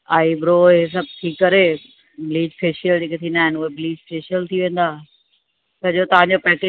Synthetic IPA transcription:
aːibɾoes̬ɐb̚t̪ʰiːkːɐɾe | bɪliːd͡ʑfeːʃijəld͡ʑeːket̪ʰĩːnd̪aːɦɪnʊɦebliːd͡ʑfeːʃijəlt̪ʰiʋẽːn̆d̪aː | sɐd͡ʑot̪ɐʋ̤ãɲd͡ʑopɛːke

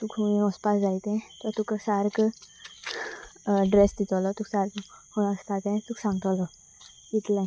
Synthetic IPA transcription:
t̪ukʰuɔspasd͡zait̪ɛ̃t̪ɔt̪uksaːɾk | ɖɾesd̪it̪ɔlɔt̪uksaɾkhuɔst̪at̪ẽt̪uksãŋɡt̪ɔlɔ | it̪lẽ

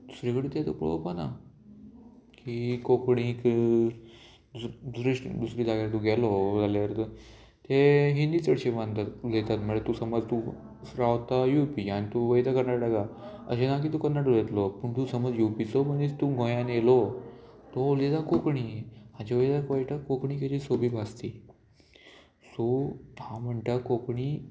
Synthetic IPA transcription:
d̪̥u̥sɾikəɽit̪jat̪ṵpɭo̰pana̰ | kikokɳĩk | d̪ud̪usɾiʂd̪usɾiːd̪aɡaɾt̪uɡɛlod͡zaljaɾt̪ | t̪eɦind̪it͡səɽɕeʋãnt̪at̪let̪at̪məet̪usəməd͡zt̪u | ɾaʋt̪ajupianit̪uʋəjd̪akəɾnaʈaɡaə̰ɕenak̬it̪ukəɾnːaʈulet̪lopəɳt̪usəməd͡zjupit͡somənit͡st̪uɡʱõjãnjelo | t̪ɔulet̪akokɳiːad͡ʑeʋəjd̪akojʈakokɳiːked̪iːsobiːbast̪i | sohãm̤əɳʈ̪akokɳiː

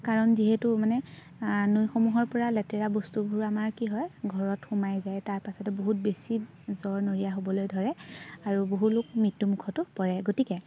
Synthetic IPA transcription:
kaɹɔnziɦɛtʊmanɛ | nojxomuɦɔɹpɔɹalɛtɛɹabostubʱuɹamaɹkiɦɔjɡʱɔɹɔtxumajzajtaɹpasɔtɛboɦut̚besi | zɔɹnoɹijaɦobɔlojdʱɔɹɛaɹuboɦulʊk̚mɹitːumukʰɔtʊpɔɹɛɡotikɛ

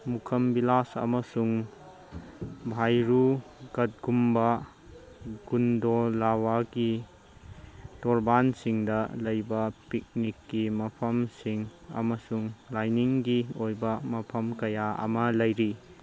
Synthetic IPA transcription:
mukʰɐmbilasɐ̰mɐsuŋ | bʱajɾuɡɐt̚ɡumbɐ | ɡundolawaɡi | tɔɾbansiŋdɐlɐjbɐpik̚nikːimɐpʰɐmsiŋɐ̰mɐsuŋlajniŋɡiojbɐmɐpʰɐmkɐjaɐ̰mɐlɐjɾi

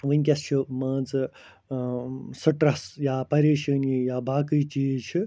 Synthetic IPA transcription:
ʋənʲkʲɐst͡ʃʰimɐːd͡zɨ | sɨʈɾɐsjaːpɐɾiːʃɐnijaːbaːkɨt͡ʃiːzt͡ʃʰi

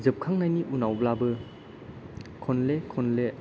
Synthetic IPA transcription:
zɯp̚kʰaŋnajniʔunawblabɯ | kʰɔnlekʰɔnle

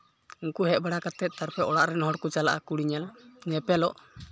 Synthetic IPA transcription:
uŋkuɦɛt̪̚baɽakat̪ɛt̪̚ˀt̪aɾpɛʔɔɽaʔɾɛnhɔɽkut͡ʃalaʔakuɽiɲalɲɛpɛlɔʔ

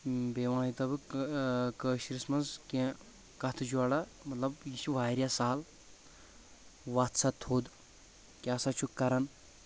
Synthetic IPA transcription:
beːʋãːnit̪ɐbɨ | kəːʃiɾismɐnzkẽ | kɐt̪ʰɨd͡ʒuaɽamɐt̪lɐbjit͡ʃʰiʋaːɾjasaːl | ʋat̪sɐt̪ʰoːd̪ | kʲaːsat͡ʃʰukːɐɾɐn

